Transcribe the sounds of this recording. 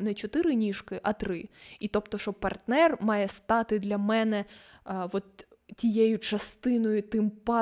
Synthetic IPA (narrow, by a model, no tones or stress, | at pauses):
nɛt͡ʃɔt̪ɪɾɪnʲiʃkɪʔɐt̪ɾɪit̪ɔpt̪ɔʃɔpɐrt̪nɛrmɑjɛst̪ɑt̪ɪd̪lʲɐmɛnɛʋɔt̪ | tʲijejʊt͡ʃɐst̪ɪnɔjʊt̪ɪmpɑ